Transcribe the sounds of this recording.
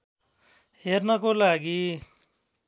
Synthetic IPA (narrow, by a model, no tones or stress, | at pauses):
ɦernʌkolaɡi